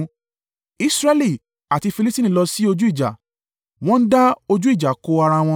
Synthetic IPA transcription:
i˧˦sɾɛ˦li˦˨ | a˨ti˧fi˧li˦ti˦nĩ˧˨lɔ˧si˦o˧d͡ʒu˦i˦˨d͡ʒa̰˨ | w̃ɔ̃˦n̩˦da˦o˧d͡ʒu˦i˦˨d͡ʒa˨ko˧a˧ɾa˧w̃ɔ̃˧

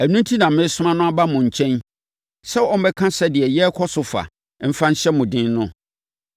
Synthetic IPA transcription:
æ˨nũ˦n˦tʰi˦nã˨m̩˦mɪ̃˦sʊ˦mã˦nʊ̃˦a˦ba˦mʊ̃˨ɲ̩˨t͡ɕʰɛ̃˦n | sɛ˦ɔ˦m̩˦bɛ˦kʰã˦sɛ˦dɪ˨ɛ˨jɛ˦kʰɔ˦sʊ˨fa̰˨ | m̩˦fã˦n̩˦ɕɛ˦mʊ̃˨dɪ̃˦nnʊ̃˦

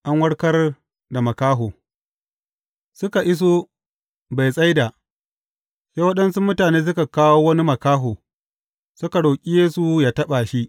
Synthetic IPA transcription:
ʔa˦ŋwɐ˦ɽkɐ˦r | da˨mɐ˨kaː˦ɦoː˨ | sʊ˦ka˨ʔɪ˦s̬oː˦ | ba˨jsʼa˦jdaː˨ | sa˦wɐ˦ɗɐ˦nsu˦mʊ˦taː˨neː˦s̬ʊ˦ka˨kaː˦woː˦wɐ˦ni˦mɐ˨kaː˦ɦoː˨ | sʊ˦ka˨ɽoː˨kʲʼi˦jeː˦su˨jaː˨tɐ˦ɓa˨ʃi˦ʔ

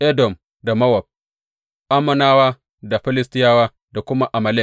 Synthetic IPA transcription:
ʔɛ˦dɔ˨m | da˨mɐ˦wɐ˨b̚ | ʔa˦mɐ˦naː˦waː˦ | da˨ɸɪ˦lɪ˦stɪ˦jaː˦waː˦ | da˨kʷʊ˦ma˦ʔa˨ma˨le˦k

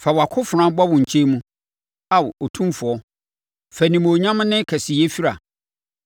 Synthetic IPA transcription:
fa˨wa˨kʰʊ˦fʊ˨ɾã˦ba˦wʊ̃˨ɲ̩˨t͡ɕʰe˦mũ˦ | a˨wo˨tʰũ˦m˦fʊ˨ɔ˦ | fæ˨nĩ˨m˨o˨ɲã˦m̃˦nɪ̃˦kʰæ˨sɪ˨je˦fi˦ɾa˨

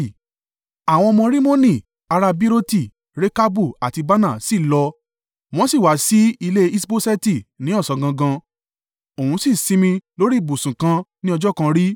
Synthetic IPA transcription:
a˨w̃ɔ̃˧ɔ˧mɔ̃˧ɾi˦mo˦nĩ˦˨ | a˧ɾa˧bi˦ɾo˦ti˦˨ | ɾe˦ka˦bu˦˨a˨ti˧ba˦nã˦˨si˦˨lɔ˧ | w̃ɔ̃˦si˦˨wa˨˦si˨˦i˧le˦i˦sbo˦sɛ˦ti˦˨nĩ˨˦ɔ˦˨sɔ˧ɡã˧ɡã˧ | o˨ũ˧si˦˨sĩ˦mĩ˧lo˦ɾi˦˨bu˨sũ˨kã˧˦nĩ˦ɔ˧d͡ʒɔ˦kã˧ɾi˦

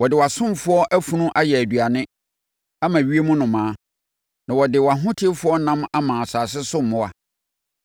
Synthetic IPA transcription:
wɔ˨dɪ˨wa˨sʊ̃˦m˨fʊ˦ɔ˦ʔæ˦fu˨nũ˦ʔa˦jɛ˨æ˨dɥa˨nɪ̃˦ | a˦mã˨ɥi˦e˦mũ˦nʊ̃˨mãː˦ | nã˨wɔ˨dɪ˨wa˨ɦʊ̃˦tʰɪ˦fʊ˦ɔ˦nã˦ma˦mã˨sa˨sɪ˦sʊ̃˦mː˦ʊ̃˦a˨

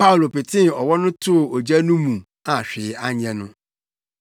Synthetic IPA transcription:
pa˦ʊ˨lo˨pɪ˨tʰɪ̃˦˨ɔ˨wɔ˦nʊ̃˦tʰʊ˦˨o˨d͡ʑa˦nʊ̃˦mũ˨ | a˨ɕᶣɪ˨˦a˦ɲ˦ɛ̃˨nʊ̃˦

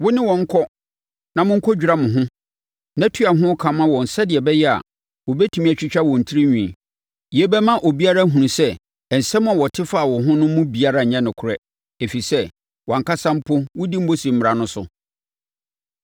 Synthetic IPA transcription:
wʊ˦nɪ̃˦wɔ̃˨ŋ̩˦kʰɔ˦ | nã˨mʊ̃˦ŋ̩˦kʰɔ˦d͡ʑᶣɾa˦mʊ̃˨ɦʊ̃˦ | nã˦tʰu˦a˨ɦʊ̃˦kʰã˨mã˦wɔ̃˨n̩˨sɛ˦dɪ˨ɛ˨bɛ˦jɛ˦a̰˨ | wɔ˨bɛ˦tʰu˨mĩ˦ɛ˨t͡ɕᶣi˦t͡ɕᶣa˦wɔ̃˨n̩˨tʰi˦ɾi˦ɲᶣũ˨i˨ | jɛ˦bɛ˦mã˦ʔo˨bi˦a˦ɾa˦ɦũ˨ũ˨sɛ˦˨ | n̩˨sɛ˦mʊ̃˦a˨wɔ˨tʰɪ˦fa˦˨wɔ̃˨ɦʊ̃˦nʊ̃˦mʊ̃˦bi˨a˦ɾa˨ɲɛ̃˦nʊ̃˨kʰʊ˨ɾɛ˦ | e˨fi˨sɛ˦ | wɔ˨ŋ̩˨ka˦sã˦m̩˦pʰʊ˦wʊ˦di˦m̩˦bo˦si˨m̩˦mɪ˨ɾa˨nʊ̃˦sʊ̰˨

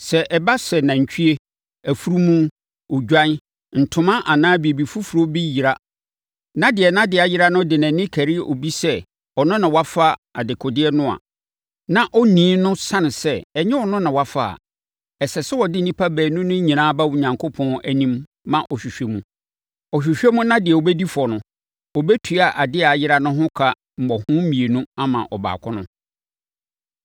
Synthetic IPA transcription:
sɛ˨ʔɛ˨ba˦sɛ˨nã˨ɲ̩˨t͡ɕʰᶣi˦e˦ | æ˨fu˦ɾu˦mũ˦ | o˨d͡ʑᶣã˦n˦ | n̩˨tʰʊ̃˦mã˦ʔa˨nãː˦bi˨e˨bi˨fu˦fu˨ɾo˦bi˦ji˨ɾa˦ | nã˦dɪ˨ɛ˨nã˦dɪ˨a˨jɪ˦ɾa˦nʊ̃˦dɪ˨nã˨nɪ̃˦kʰæ˨ɾi˦˨ʔo̰˨bi˦sɛ˦ | ɔ˨nʊ̃˦nã˨wa˦fa˦a˨dɪ˨kʰɔ˨dɪ˦ɛ˦nʊ̃˦a̰˨ | nã˨ʔɔ˦nĩː˨˦nʊ̃˦sã˦n˨sɛ˦ɛ˨ɲɛ̃˦ɔ˨nʊ̃˦nã˨wa˦fa˦˨a̰˨ | ɛ˨sɛ˨sɛ˦wɔ˨dɪ˦n˦nĩ˦pʰa˦bɛː˨nʊ̃˦nʊ̃˦ɲĩ˨nãː˦ba˦wʊ˨ɲã˨ŋkʰo˦pʰɔ̃˦æ˦nĩ˦mː | ã˦˨ʔɔ˨ɕᶣi˨ɕᶣɛ˦mũ˦ | ɔ˨ɕᶣi˨ɕᶣɛ˦mʊ̃˦nã˦dɪ˨ɛ˨o˨bɛ˦di˦fɔ˨nʊ̃˨ | ɔ˨bɛ˦tʰu˨a˨ʔa˨dɪ˦a˨jɪ˦ɾa˦nʊ̃˦ɦʊ̃˦kʰa˨ | m̩˨mɔ˨hʊ̃˦mĩ˨e˨nũ˦a˦mã̰˨ʔɔ˨ba̰ː˨kʰʊ˦nʊ̃˦

